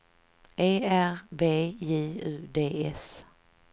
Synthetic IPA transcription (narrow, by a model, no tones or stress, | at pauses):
ʔeːæɾbeːiːʉ̟ːd̪eːʔɛs